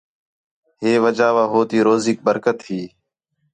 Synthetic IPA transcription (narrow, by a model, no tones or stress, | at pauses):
ɦeːʋəd͡ʒaːʋaːɦoːt̪iːɾoːziːk̚bəɾkət̪ɦiː